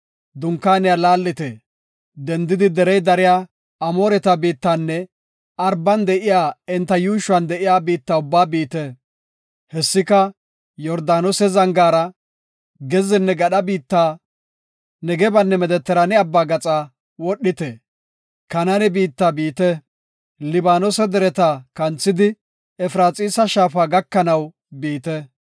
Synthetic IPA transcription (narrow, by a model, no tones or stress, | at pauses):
d̪ʊŋkːaːnɪjalaːlːɪt̪ɛ | d̪ɛnd̪ɪd̪ɪd̪ɛɾɛjd̪ɐɾɪjaː | ɐmoːɾɛt̪ɐbiːt̪ːanːɛ | ɐɾbɐnd̪ɛʔɪjaːɪnt̪ːɐjuːʃʊɐnd̪ɛʔɪjaːbiːt̪ːaʊbːaːbiːt̪ɛ | hɛsːɪkɐ | jɔɾd̪aːnɔsɛzɐŋɡaːɾɐ | ɡɛzɪnːɛɡɐɗɐbiːt̪ːaː | nɛɡɛbɐnːɛmɛd̪ɛt̪ːɛɾɐnɛɐbːaːɡɐt͡sʼaː | wɔɗːɪt̪ɛ | kɐnɐnɛbiːt̪ːaːbiːt̪ɛ | lɪbaːnɔsɛd̪ɛɾɛt̪akɐnt͡sːɪd̪ɪ | ɛfɾaːt͡sʼiːsɐʃaːfaːɡɐkːɐnɐw | biːt̪ɛ